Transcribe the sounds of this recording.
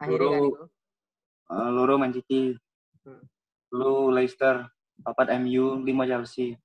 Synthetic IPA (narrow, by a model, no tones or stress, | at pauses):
luɾo | əluɾomaɲt͡ʃit̪i | lulaist̪ər | apat̪̚ɛmjulimad͡ʒalsi